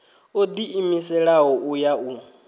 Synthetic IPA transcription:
od̪iʔimisɛɺaɦɔʔujaʔu

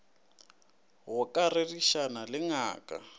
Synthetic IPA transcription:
ɣʊkʼareriʃanalɪŋa̰ːkʼa̰

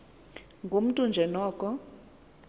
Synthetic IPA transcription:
ŋɡʱum̩tʼund͡ʒʱɛnɔːkʼɔ

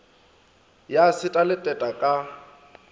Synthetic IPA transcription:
jasɪtʼalɪtʼɛtʼakʼa

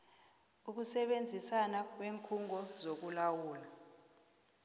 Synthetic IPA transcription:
uk̬usɛɓend͡zʱisanak̬ʼweːŋkʰuŋɔzok̬ulawuːla

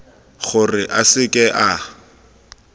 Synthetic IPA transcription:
χʊrɪʔasɪkʼɛʔa

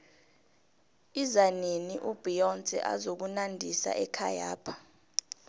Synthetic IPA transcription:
izaneniʔub̥ʱijɔnt͡sʼɛ̰ʔa̰zok̬unandʱisa̰ʔɛkʰaja̰ːpʰḁ

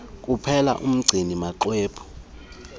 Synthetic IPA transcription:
kʼupʰɛla̰ʔum̩ɡ͡ǀʱinimaǃweːpʰɔ̥

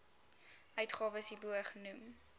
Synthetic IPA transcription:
ʔœɥtχɑːvəsibuəχənum

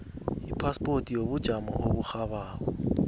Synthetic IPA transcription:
ipʰaspʼotʼijoβud̥ʒ̥ʱamɔ̰ʔoβuxaβaːk̬ɔ

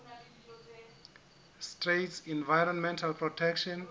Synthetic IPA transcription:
stretsĩnvajɹɔ̃nmɛ̃ntʰalpʰrɔtʰɛkʃɔ̃n

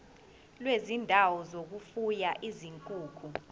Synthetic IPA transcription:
lwezindʱawɔzok̬ufujaʔiziŋkʼuːkʰu

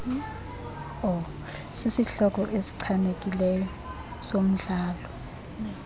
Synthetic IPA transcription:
ɔ | sisiɬɔk̬ʼɔʔesi̥ǀʰanek̬ʼilɛjɔ | som̩ɮaːlɔ

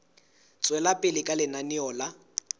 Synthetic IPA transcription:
t͡sʼwɛlapʼɪlɪkʼalɪnanɪɔːla

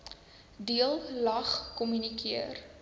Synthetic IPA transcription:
diəlˠlɐχkɔmynikʰiər

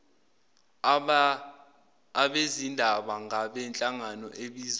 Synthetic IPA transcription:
ɓezindʱaɓaŋaɓɛnt͡ɬʼaŋanɔʔeɓiːz

